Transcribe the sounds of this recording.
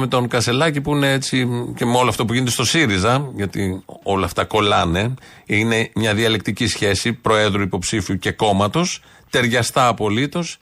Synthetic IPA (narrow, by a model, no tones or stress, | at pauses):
me̞t̪o̞ŋkɐse̞lɐcipuineet͡sice̞meo̞loɐft̪o̞p̬uʝinet̪e̞st̪o̞siɾizɐʝɐt̪io̞lɐːft̪ɐko̞lɐne̞ | ine̞mɲɐðiɐle̞k̚t̪icisçe̞sipɾo̞e̞ðɾuipo̞psifiuce̞ko̞mɐt̪o̞s | t̪e̞ɾʝɐst̪ɐːpo̞lit̪o̞s